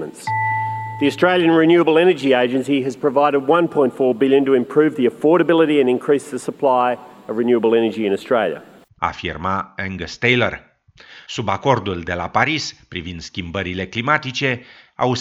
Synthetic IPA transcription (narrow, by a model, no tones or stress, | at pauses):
ə̰̃nts | ðiɨstɹ̥eɪlˠjɨ̃nɹɨnjʉəbl̩ˠɛnə˞d͡ʒieɪd͡ʒɨ̃nsiɨz̥pʰɹ̥əvaɪɾɨd̚wʌ̃npʰɔ̃ɪ̃ntfɔɹbɪlˠjɨ̃ntəɨ̃mpʰɹ̥ʉvðiɨfɔɹɾəbɪlˠəɾiɨ̃nɨ̃nkʰɹ̥isðəsəpʰl̥aɪʌvɹɨnjʉəbl̩ˠɛnə˞d͡ʒiɨ̃nəstɹ̥eɪlˠjə̰ | a̰fḭrmaɛ̃ŋɡəst̪ejlər | subako̞rd̪uld̪e̞lapaɾispɾivind̪̥skʲimbəɾile̞klimat̪it͡ʃe̞a̰u